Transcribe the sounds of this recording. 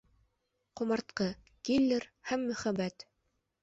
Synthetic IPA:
qŏmɑɾt̪̚qɤ | kilʲːɘɾhæmːɵ̆χæbæt̪

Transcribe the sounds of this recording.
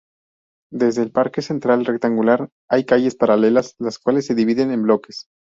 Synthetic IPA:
d̪ezðe̞ːlpaɾkese̞nt̪ɾalrek̚t̪aŋɡulaɾ | ajkaʝe̞spaɾale̞laslaskwale̞sːe̞ðiβ̞iðe̞ne̞mblo̞ke̞s

